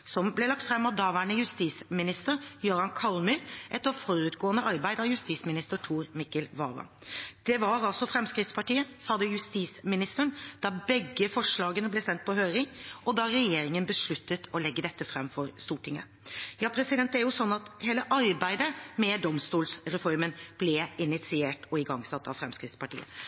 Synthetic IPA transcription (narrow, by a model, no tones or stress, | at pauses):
sɔmblɛlɑk̚t̪fɾɛmːɑʋd̪ɑʋæːɳəjʉst̪iːsmɪnɪst̪əɾjøːɾɑnkʰɑlmʏɾʔɛt̪ːɔfɔɾʉːt̪ɡoːənəʔɑɾbæɪd̪əɑʋjʉst̪iːsmɪnɪst̪əʈʰuːɾmɪkəlʋɑ̰ːʋɑ̰ | d̪̥ɛʋɑɾɑlsɔfɾɛmskɾɪt̪spʰɑʈiːəsɑːd̪əjʉst̪iːsmɪnɪst̪əɳd̪̥ɑbɛɡːəfɔʂɭɑːɡənəblɛsɛnt̪̚pʰɔɦøːɾɪŋɔd̪ɑɾɛjeːɾɪŋənbəʂɭʉt̪ːət̪ʰɔlɛɡːəd̪ɛt̪ːəfɾɛmːfɔɾst̪uːʈʰːɪŋə̰ | jɑːpʰɾɛsɪd̪ɛnt̪æɾjʊsɔnːɑt̪heːləʔɑɾbæɪd̪əmɛd̪ɔmst̪uːlsɾɛfɔɾmənb̥lɛɪnɪt̪sɪeːʈɔɪɡɑŋsɑt̪ːɑ̰ʋfɾɛmskɾɪt̪spɑʈḭːə̰